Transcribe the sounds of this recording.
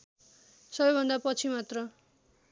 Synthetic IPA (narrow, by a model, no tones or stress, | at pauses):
sʌbʌjbʱʌnd̪apʌt͡sʰimat̪rʌ